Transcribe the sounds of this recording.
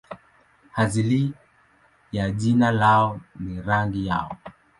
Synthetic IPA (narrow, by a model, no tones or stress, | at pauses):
hazili | jaʄinalaɔniɾaŋɡijaɔ